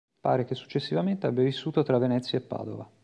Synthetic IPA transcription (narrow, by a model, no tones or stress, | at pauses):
pa̰ːɾek̟esːu̥t͡ʃːesːivament̪eabːjavisːuːt̪ot̪ɾavːenɛt̪sːjaepːa̰ːd̪o̰va